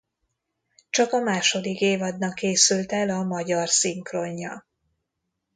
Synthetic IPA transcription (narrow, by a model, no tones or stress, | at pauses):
t͡ʃɒkɒmaːʃo̞d̪ikeːvɒd̪nɒkːeːsylt̪ɛlɒmɒɟɒrsiŋkroɲːɒ̰